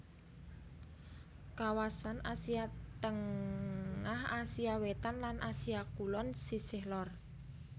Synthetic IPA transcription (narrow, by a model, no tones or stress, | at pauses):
kawasanasiat̪əŋ | ahasiawet̪anlanʔasiakulɔnsisɪhlɔr